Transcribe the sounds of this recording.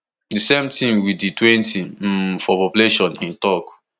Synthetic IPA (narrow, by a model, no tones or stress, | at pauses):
disemtʰĩmwiditwɛ̃ntim̩fɔpɔpuleʃɔ̃nĩntɔk